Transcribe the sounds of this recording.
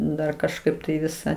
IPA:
ˈdɐr kɐʃˈkɐɪp tɐɪ ˈʋʲɪsɑː

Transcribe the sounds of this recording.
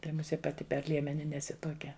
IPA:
ˈtɐɪ mʊˈsʲiɛ pɐˈtʲɪ pʲɛr ˈlʲiɛmʲɛnʲɪ nʲɛˈsʲɪ tuɔˈkʲɛ

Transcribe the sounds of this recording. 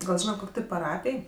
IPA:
ɡɐlˠ ˈʒʲiːnɐt ˈkoːkʲ tʲɪ pɐˈrɑːpʲɪj

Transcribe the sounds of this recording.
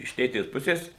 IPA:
ɪʃ ˈtʲeːtʲeːs ˈpʊsʲeːs

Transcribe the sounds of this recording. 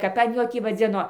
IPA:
ˈkɐp ɐn ˈjoː ˈtʲiː ʋɐˈd͡zʲɪnoː

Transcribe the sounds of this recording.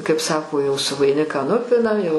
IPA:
kɐɪp ˈsɑːkoː jɛʊ sʊ ʋɐɪˈnʲɪkɑː ˈnʊpʲɪnɐm jɛʊ

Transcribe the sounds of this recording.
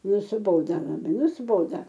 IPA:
nʊsʲɪˈboːdɐ lˠɐbɐɪ nʊsʲɪˈboːdɐ

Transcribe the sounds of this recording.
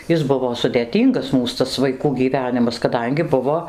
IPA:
ˈjɪs ˈbʊʋoː sʊdʲeːˈtʲiːŋɡɐs ˈmuːs tɐs ʋɐɪˈkuː ɡʲiːˈʋʲæːnʲɪmɐs kɐˈdɐŋʲɡʲɪ ˈbʊʋoː

